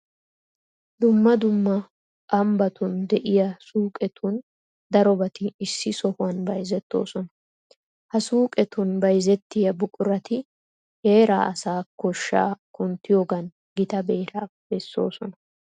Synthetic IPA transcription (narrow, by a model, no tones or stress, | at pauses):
d̪ʊmːɐd̪ʊmːɐ | kɐmbɐt̪ʊnd̪ɛʔɪjɐsuːkʼɛt̪ʰun | d̪ɐɾɔbɐt̪ɪːsːɪsɔhʊwɐnbɐjzɛt̪ːo̞̰ːsɔnɐ | hɐsuːkʼɛt̪ʊnbɐjzɛt̪ːɪjɐbʊkʼʊɾɐt̪ɪ | heːɾa̰ːʔɐsaːkɔʃːa̰ːkʊnt̪ːɪjoːɡɐn | ɡɪt̪ɐbeːɾaːb̥ɛsːo̞̰ːsɔnɐ